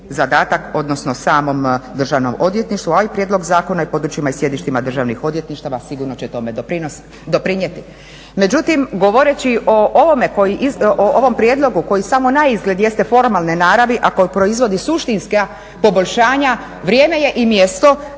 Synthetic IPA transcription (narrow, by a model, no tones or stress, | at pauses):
zad̪aːt̪ako̞d̪no̞snosaːmo̞md̪r̩ʒaʋno̞̰mo̞d̪ʋje̞t̪niʃt̪ʋuaipɾje̞d̪lo̞ɡzaːko̞naipo̞ːd̪ɾut͡ɕimaisje̞d̪iʃt̪imad̪r̩ʒaʋnixo̞d̪ʋje̞t̪niʃt̪aʋasiɡuɾno̞t͡ɕet̪o̞med̪pɾinos | d̪o̞pɾiɲjet̪i | me̞d͡ʑut̪imɡo̞ʋo̞ɾet͡ɕiʔo̞ʔoʋo̞me̞ko̞jiʔioʔoʋo̞mpɾʲje̞d̪lo̞ɡuko̞jisamo̞naizɡle̞d̪je̞st̪e̞fo̞ɾmalˠnenaːɾaʋiʔako̞jipɾo̞izʋo̞d̪isuʃt̪inska | po̞boʎʲʃaːɲa | ʋɾʲjeːme̞je̞ʔimjest̪o̞